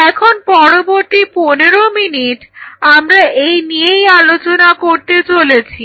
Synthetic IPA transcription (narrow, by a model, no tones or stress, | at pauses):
ɛkʰonpɔɾoboɾt̪iponeɾominiʈamɾaejnijejalot͡ɕonakoɾt̪et͡ɕolet͡ɕʰi